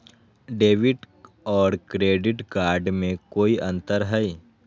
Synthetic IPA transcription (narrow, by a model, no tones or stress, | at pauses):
ɖeːʋɪʈ | ɔːɾkɾeːɖɪʈkaːɾɖmẽkoːiʔɐ̃nt̪əɾɦəi